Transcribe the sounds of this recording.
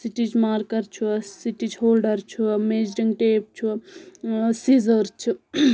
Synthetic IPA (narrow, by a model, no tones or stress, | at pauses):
siʈid͡ʒmaːɾkɐɾt͡ʃʰusiʈid͡ʒɦoːlɖəɾt͡ʃʰumeːd͡ʒɖiŋɡʈeːp̚t͡ʃʰu | sizəɾt͡ʃʰu